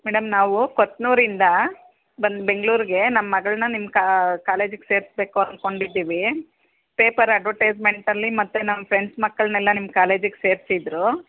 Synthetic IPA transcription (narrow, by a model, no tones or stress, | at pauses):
mɛɽɐmnaːʋukot̪ːnuːɾind̪ɐ | bɐnd̪be̞ŋɡɭuːɾiɡe̞nɐmːɐːɐɡɐɭnɐnimːɐkakaːle̞ːd͡ʒuɡese̞ːɾisbe̞ːkuɐnko̞ɳɖid̪ːiːʋi | pe̞ːpɐɾɐɖʋɐʈeːd͡ʒme̞ɳʈɐlːimɐt̪ːunɐmːɐpʰɾe̞ɳɖsmɐkːɐɭnɛlːɐnimkaːle̞ːd͡ʒuɡese̞ːɾsid̪ɾu